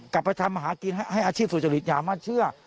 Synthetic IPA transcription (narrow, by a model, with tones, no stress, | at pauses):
ka˨˩pːa˧jt̪ʰa˧mːa˧ɦaː˩˦ki˧n˥˩ha˥˩jʔaː˧t͡ɕʰiː˥˩st͡ɕa˧li˨˩t̪̚jaː˨˩maː˥˩t͡ɕʰɯ˥˩ɐ